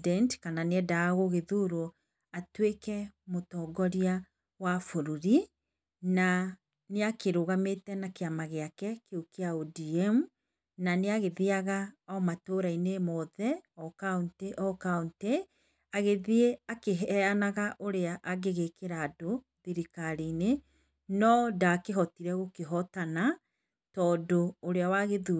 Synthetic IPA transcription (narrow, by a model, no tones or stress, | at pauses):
dɛntkananeɛdaːɣoɣeðuɾo | atwekɛmotɔːɡɔɾia | wafoɾuɾi | na | neakeɾoɣametɛnakeamaɣeakɛkeukeaodiɛmu | naneaɣeðiaɣaɔmatoːɾainemɔðɛɔkaunteʔɔkaunte | aɣeðieakeɦɛanaɣaʔoɾeaʔaɡeɣekeɾaːdo | ðiɾikaɾine | nɔdaːkeɦɔtiɾɛɣokeɦɔtana | tɔːdoːɾeawaɣeðu